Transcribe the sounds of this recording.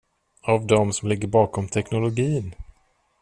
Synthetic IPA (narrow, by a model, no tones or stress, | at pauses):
avd̪ɔmsɔmlɪɡːəɾbɑːkɔmt̪ʰɛknʊlʊɡiːn